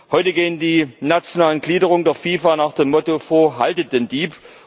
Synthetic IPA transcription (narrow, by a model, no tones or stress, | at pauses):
hɔʏtəɡeːəndiːnat͡sjonaːlənɡliːdəʁ̞ʊŋdeːɐfiːfanaːχd̥eːmːɔtofoːɐɦa̰ltət̚d̥eːndiːp